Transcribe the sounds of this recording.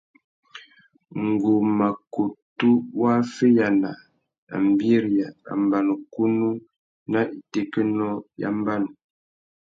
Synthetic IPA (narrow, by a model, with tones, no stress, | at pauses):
ŋ̩˨ɡo˨ma˨ko˨tu˦wa˦fe˦ja˨na˨ | a̰˨m˨bji˦ɾja˨a̰˨m˨ba˨no˨ku˦nu˦ | na˦ʔi˨te˨kə˦nɔ˦ja̰˦m˦ba˦n˨